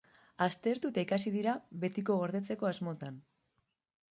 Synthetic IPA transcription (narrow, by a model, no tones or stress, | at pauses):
ast̪e̞ɾt̪ut̪aikasiðiɾaβe̞t̪iko̞ɣo̞ɾðe̞t͡se̞ko̞azmo̞t̪an